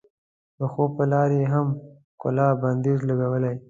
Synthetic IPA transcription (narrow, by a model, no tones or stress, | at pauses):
d̪əxopəlɑɾjeɦam | kʊ̰lɑband̪ezlaɡawəlaj